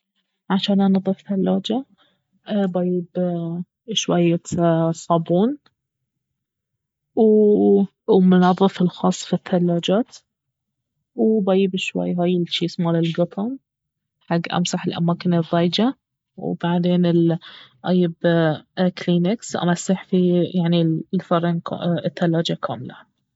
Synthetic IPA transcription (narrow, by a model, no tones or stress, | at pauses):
ʕaʃaːnʔanɑðˤɨfθalːaːd͡ʒa | bajɪb | ʃwajːasˤɑːbuːn | w | mʊnɑðˤːɨfɪlxɑːsˤːfiθːalːaːd͡ʒaːt̪ | wbajɪbʃwa̰jːɦaːjɪlʃiːsmaːlɪlɡɑt̪ˤʰɑm | ħaɡːʔa̰msaħɪlʔa̰maːkɪnɨðˤːɑːjd͡ʒa | wb̥aʕd̪eːnɪlʔa̰jɪb | kliːnaksʔa̰masːaħfijaʕnilfɑɾˤɑnkɪθːalːaːd͡ʒakʰa̰ːmɪla̰